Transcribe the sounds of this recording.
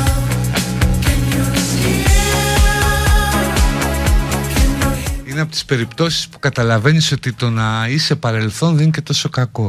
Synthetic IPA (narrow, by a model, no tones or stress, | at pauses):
ineɐpo̞t̪i̥spe̞ɾipt̪o̞si̥spu̥kɐt̪ɐlɐve̞niso̞t̪it̪o̞nɐisepɐɾe̞lθonðenice̞t̪o̞so̞kɐko̞